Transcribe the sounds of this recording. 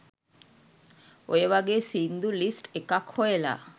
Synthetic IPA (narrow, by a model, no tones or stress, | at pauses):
oeβaɡesind̪ulisʈekakhoela̰